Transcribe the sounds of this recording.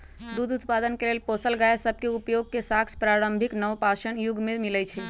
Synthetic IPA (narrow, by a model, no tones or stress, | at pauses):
d̪ud̪ut̪pad̪ənkelelposəlɡajesəb̚ʱkeupjoɡ̚kesaksʰpɾaɾəmbʱiknəʋpaʃənjuɡmemilɛt͡ʃʰi